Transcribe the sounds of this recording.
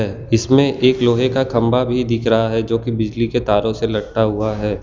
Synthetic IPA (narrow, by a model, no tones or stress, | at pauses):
ɛː | ɪsmẽʔeːkloːɦekakʰɐ̃mbabʱid̪ɪkʰɾəɦaɦɛd͡ʒoːkibɪd͡ʒliket̪aːɾõselɐɾʈaɦuaɦɛː